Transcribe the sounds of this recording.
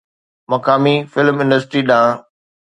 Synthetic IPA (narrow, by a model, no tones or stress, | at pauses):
mɐkaːmifɪlmɪ̃nɖəsʈɾiɗãː